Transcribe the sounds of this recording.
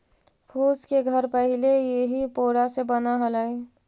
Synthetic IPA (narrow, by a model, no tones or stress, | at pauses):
pʰuːskeɡʱəɾpəɦɪlejeɦipoːɽasebənaɦələe